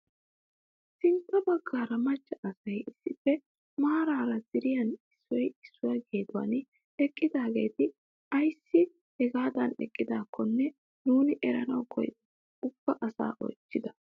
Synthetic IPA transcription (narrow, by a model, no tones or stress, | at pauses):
sɪnt̪ːɐbɐɡːaːɾɐmɐt͡ʃːɐʔɐsɐjɪsːɪfːɛ | maːɾaːɾɐzɪɾɪjɐnɪsːɔjɪsːʊjɐɡeːd̪ʊwɐ̰n | ɛkʼːɪd̪aːɡe̞̰ːt̪ɪ | ɐjsːɪ | ɛɡaːd̪ɐnɛ̰kʼːɪd̪aːkʰːɔnːɛ | nuːnɪʔɛɾɐnɐwkʰɔ̰j̪ | ʊb̥ːɐʔɐsa̰ːʔɔ̰jt͡ʃːɪd̪ɐ